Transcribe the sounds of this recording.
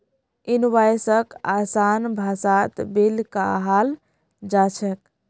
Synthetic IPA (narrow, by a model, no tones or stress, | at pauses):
inwajsəkasanbʱasat̪belka̰ɦal | d͡ʒat͡ʃʰək